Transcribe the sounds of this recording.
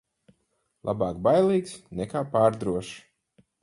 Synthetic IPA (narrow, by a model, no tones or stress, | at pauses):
lˠʔa̰baːkbajlˠiːksnɛkaːpaːɾd̪ɾuɔʃ